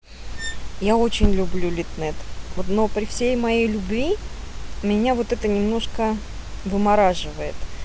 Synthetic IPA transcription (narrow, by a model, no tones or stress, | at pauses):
jaot͡ɕɪnʲlʲʊblʲulʲɪt̪nɛt̪vot̪no̞pɾʲɪfsʲejmɐjejlʲʊbvʲi | mʲɪnʲavo̞t̪ɛt̪ənʲɪmno̞ʂkə | vɨmɐɾaʐɨvəɪt̪